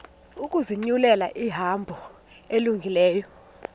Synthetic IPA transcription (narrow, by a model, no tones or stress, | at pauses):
uk̬ʼuziɲulɛla̰ʔiɦambʱɔ | eluŋɡʱilɛːjɔ